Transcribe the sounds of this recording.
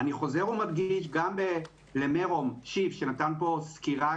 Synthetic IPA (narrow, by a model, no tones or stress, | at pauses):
aniχo̞ze̞ʁumadɡiʃ̬ɡambe | lemeʁo̞mʃivʃe̞nat̪anpo̞skiʁa